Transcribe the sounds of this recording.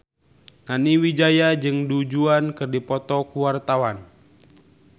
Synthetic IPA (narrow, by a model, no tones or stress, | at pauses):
ŋaniwid͡ʒajad͡ʒɨŋdud͡ʒuankɨrdipɔt̪ɔkuwart̪awan